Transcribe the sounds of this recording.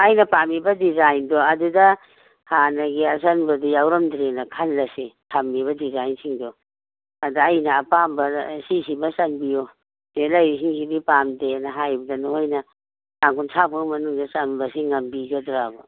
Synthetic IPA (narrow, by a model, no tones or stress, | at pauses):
ajnɐpamibɐdizajndɔɐdudɐ | hanɐɡiɐs̬anbɐdujawɾɐmdɾenɐkʰalːɐsetʰamːiβɐdizajnsiŋdɔ | adaːjnɐːpambɐsisimɐsɐnbijɔ | nelɐjis̬iŋsibipamdenɐɦajbɐdɐnohojnɐ | saŋkunsʰabuŋmɐnuŋdɐsanbɐsiŋːɐmbiɡodɾabɔ